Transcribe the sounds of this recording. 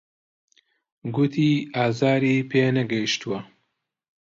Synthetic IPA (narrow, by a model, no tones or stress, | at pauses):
ɡut̪ʰiːaːzaːɾiːpeːnɐɡɐjiʃt̪uwɐ